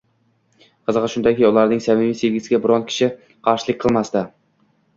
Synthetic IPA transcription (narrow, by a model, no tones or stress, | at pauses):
qʰɨzʁɨʃʊnd̪akʲijʊlˠaɾnɪŋsamɪmijseɡʲɪzɪɡʲabɪɾɒnkʲʰɪ̥ʃɪ | qʰɑɾʃɪlˠɪkʲqʰɨlˠmast̪a